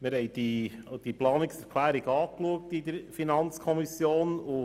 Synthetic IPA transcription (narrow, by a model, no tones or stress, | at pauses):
mɪɾhɛɪd̥id̥iplɑːnɪksɛɾkʰlæːɾiɡɑːkluək̚tid̪əɾfinɑnt͡skʰɔmisjoːnʊ